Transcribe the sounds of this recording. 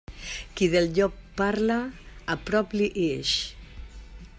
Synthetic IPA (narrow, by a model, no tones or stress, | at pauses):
kiðelʎɔkpːaɾlaːpɾɔpliʔeʃ